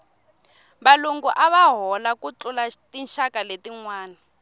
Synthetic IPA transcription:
βaluŋɡuʔaβaɦɔlakut͡ɬulatinʃakaletiŋwaːna

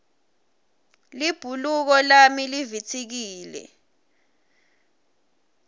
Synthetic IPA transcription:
lib̥ʱuluk̬ɔlamilivit͡sʰik̬iːlɛ̰

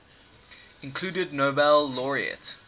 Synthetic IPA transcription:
ɪ̃nkʰl̥uːdədnobɛlːɔɹiə̰t

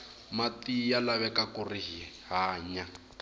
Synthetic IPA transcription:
matijalaβɛkakuriɦi | ɦaːɲa

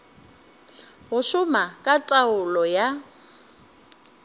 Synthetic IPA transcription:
ɣʊʃʊmakʼatʼaʊlɔja

